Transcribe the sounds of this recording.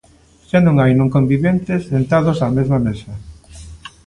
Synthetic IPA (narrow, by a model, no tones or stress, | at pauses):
ʃanõŋajnõŋkombiβent̪ɪsent̪aðosamezmamesɐ